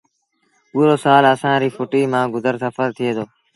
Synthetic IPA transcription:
uːɾoːsaːləsãːɾiːfʊʈiːmãːɡʊzəɾsəfəɾt̪ʰɪeːd̪oː

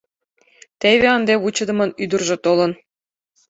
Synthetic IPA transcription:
t̪eβeɑnd̪eβut͡ɕɤ̆d̪ɤ̆mɤ̆nyd̪ə̆rʒɤ̆t̪olɤ̆n

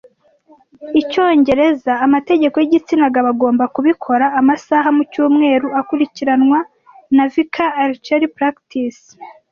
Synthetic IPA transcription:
ico̞ːɲɟe̞ɾe̞zaːmate̞ɟe̞ko̞jiɟit͡sinaɡaβaɡo̞ːmbakuβikʰo̞ɾaːmasaɦamucuːmŋe̞ːɾuakuɾiciɾanwa | navikʰaːɾt͡ʃaɾipɾaktis

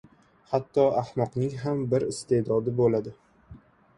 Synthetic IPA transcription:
hat̪ʰːɒahmɒqnɪŋɦambɪɾɪst̪ʰe̞d̪ɒd̪ɪbolad̪ɪ

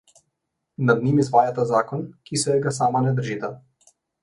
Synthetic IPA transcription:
nad̪nimizvajat̪azakɔnkisɛɛɡasamanɛd̪r̩ʒit̪a

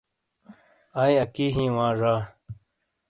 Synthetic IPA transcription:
aːjɐkiːɦĩːwãːʐaː

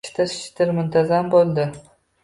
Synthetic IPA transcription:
t̪ʰɪɾʃɪ̥t̪ɪɾmʊnt̪ʰazambolˠd̪ɪ

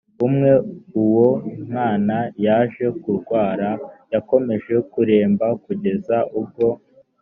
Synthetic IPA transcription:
umŋe̞uwo̞mŋaːnajaːʒe̞kuɾɡwaːɾajako̞me̞ʒe̞kuɾe̞ːmbakuɟe̞zaʔub̚ɡo̞

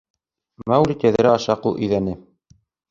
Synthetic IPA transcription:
mæwlʲit̪ʲæðɘ̆ɾæɑʃɑqulˠʔɵ̆jðænɘ

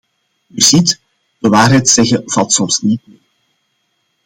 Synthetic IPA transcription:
yzit | d̥əʋaːrɦɛjtsɛɣəv̥ɑlˠtsɔmsnit̚meːr

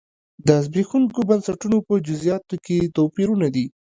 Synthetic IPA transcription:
d̪əzbexuŋkobənsaʈunopəd͡ʒʊzijɑt̪oket̪opiɾunad̪i

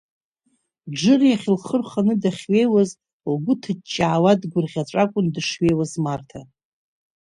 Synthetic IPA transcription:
d͡ʒɨrjaχʲɪlχərχanɨdaχʲɥe̞jwaz | lɡʷʊtʰɨt͡ʃʼːaːwadɡʷʊrʁʲat͡ʃʷʼakʷʼʊndɨʂɥe̞jwazmartʰa

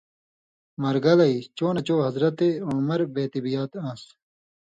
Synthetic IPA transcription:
mɐɾɡɐlɐit͡ɕoːnɐt͡ɕoːɦɐzɾɐt̪eomɐɾbeːt̪ibijaːt̪ãːs

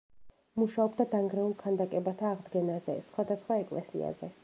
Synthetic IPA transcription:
muʃaɔbd̪ad̪aŋɡɾɛulˠkʰand̪akʼɛbat̪ʰaːʁd̪ɡɛnazɛ̰sχwad̪asχwaɛkʼlɛ̰sḭa̰zɛ

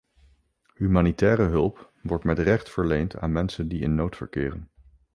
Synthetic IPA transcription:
ɦymaːnitɛːrəɦɵlˠp | ʋɔɹtmɛtrɛχtfəɹlejnta̰ːnmɛnsəndiɪnːowtfə̰ɹkɪ̰ːrən

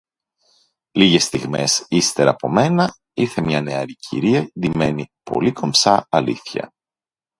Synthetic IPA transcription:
liʝe̞st̪iɣme̞sist̪e̞ɾɐ̰ːpo̞me̞nɐ | iɾθe̞mɲɐneɐɾicʰḭɾiɐðime̞nipo̞̰liko̞msɐɐlḭθçɐ̰

